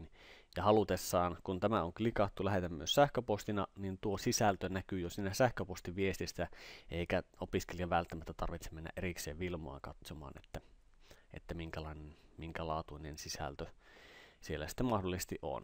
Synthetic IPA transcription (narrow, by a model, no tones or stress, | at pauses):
njɑhɑlut̪esːɑːnkunt̪æmæoŋklikɑt̪ːulæɦet̪æmːyøssæhkøpost̪inɑnint̪uosisælt̪ønækyːjosiːnæsæhkøpost̪iʋiest̪isːæeikæopiskeliɑʋælt̪ːæmæt̪ːæt̪ɑrʋit̪semmenːæ̰ʔerikseːʋʋilmo̰ɑ̰kɑt̪somɑ̰ːnet̪ːæ | ḛt̪ːæmiŋkælɑinenmiŋkælɑːt̪uinensisæ̰lt̪ø | sielːæsi̥t̪ːemɑhdolːˑisest̪iʔʔo̰n